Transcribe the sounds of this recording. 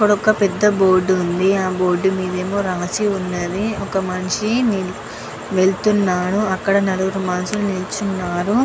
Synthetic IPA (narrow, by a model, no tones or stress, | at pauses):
ipːɐɽɔkːɐpɛd̪ːɐboːɾɖːund̪iaːbo̞ːɾɖːumiːd̪ɐe̞ːmoːɾaːsiunːɐd̪iɔkɐmɐnʂinil | ʋe̞ɭt̪unːaːnuɐkːɐɽɐnɐluɡɐɾumaːnɐsulunilt͡ʃunːaːɾu